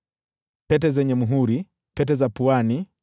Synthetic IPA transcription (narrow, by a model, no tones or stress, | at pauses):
pɛtɛzɛɲɛmuɦuɾi | pɛtɛzapuani